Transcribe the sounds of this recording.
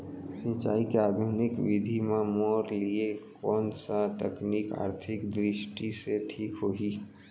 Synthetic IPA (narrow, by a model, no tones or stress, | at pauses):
sɪ̃t͡ʃaːikeaːd̪ʱunɪkʋɪd̪ʱimaːmoːɾliekɔːnsat̪əknika̰ːɾt̪ʰɪkd̪ɾɪʃʈiseʈʰiːkɦoɦi